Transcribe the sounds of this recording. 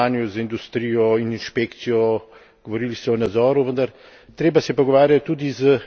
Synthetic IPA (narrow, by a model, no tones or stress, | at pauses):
anjuzind̪ust̪ɾijɔininʃpeːkt̪sijɔ | ɡ̥ɔʋɔɾiːlist̪ɛɔnad̪zɔːɾuʋənd̪ɐɾ | t̪ɾeːbasɛjɛpɔɡɔʋaːɾjat̪ːud̪izə